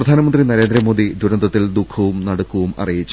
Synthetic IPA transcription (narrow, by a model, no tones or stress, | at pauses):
rɐd̪ʱaːnɐmɐnd̪rinɐɾe̞ːnd̪ɾɐmo̞ːd̪id̪ʱuɾɐnd̪ɐt̪ːild̪ukʰɐʋumnɐɽɐkːuʋumɐ̰rijit͡ɕːu